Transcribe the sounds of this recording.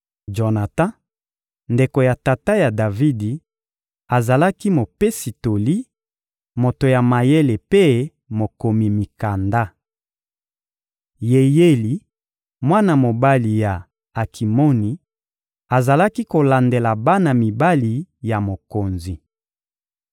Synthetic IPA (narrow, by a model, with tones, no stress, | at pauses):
d͡ʒo˨na˨tã˦ | nde˨ko˨ja˨ta˨ta˦ja˨da˨vi˦di˨ | a˨za˨la˦ki˦mo˨pe˦si˨to˨li˦ | mo˨to˨ja˨ma˨je˦le˨pe˦ | mo˨ko˨mi˨mi˨ka˨nda˦ | je˨je˦li˨ | mwa˦na˨mo˨ba˦li˨ja˨ | a˨kʰi˨mo˦ni˨ | a˨za˨la˦ki˦ko˨la˨nde˨la˨ba˦na˨mi˨ba˦li˨ja˨mo˨ko˨nzi˨